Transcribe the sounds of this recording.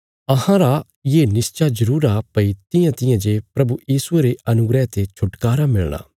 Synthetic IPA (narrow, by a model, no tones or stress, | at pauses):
ɐɦãɾa | jeːnɪst͡ʃazɐɾuːɾapɐit̪ɪjãt̪ɪjãd͡ʒepɾɐbujiːsʊeɾeɐnʊɡɾɛt̪et͡ʃʰʊʈkaːɾamɪɭña̰